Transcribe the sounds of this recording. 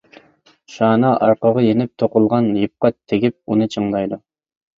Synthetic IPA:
ʃɑːnɑʔɑɾqɑʁɑjenɪp̚t̪ʰoqʊlˠʁɑnjɨp̚qɑtt̪ʰːeɡʲip̚unɨt͡ʃʰɨŋd̪ɑjd̪u

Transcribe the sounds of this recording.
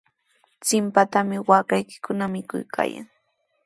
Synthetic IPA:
t͡sɪmpat̪amɪwaːkajkɪ̥kʊnamɪkʊ̰jkʰa̰ːja̰ŋ

